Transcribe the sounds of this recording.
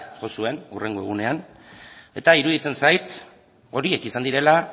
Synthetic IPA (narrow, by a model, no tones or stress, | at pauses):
ʝo̞sue̞nure̞ŋɡo̞e̞ɣune̞an | e̞t̪aiɾuðit͡se̞nsajt̪ | o̞ɾie̞kisand̪iɾe̞la